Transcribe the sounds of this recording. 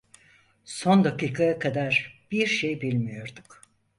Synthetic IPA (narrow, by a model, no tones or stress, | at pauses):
so̞nd̪akiːkʰajakʰad̪aɾb̥iɾʃejbilʲmijo̞ɾd̪uk